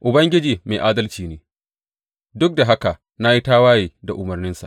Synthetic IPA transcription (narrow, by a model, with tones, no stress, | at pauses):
ʔʊ˨bɐ˦ŋɡʲɪ˦d͡ʒiː˨meː˨ʔaː˦dɐ˦lt͡ʃiː˨neː˦ | dʊ˦k̚da˨ɦa˦ka˨ | na˦ji˦taː˦waː˦jiː˨da˨ʔʊ˨mɐ˨rnɪ˦nsa̰˨ʔ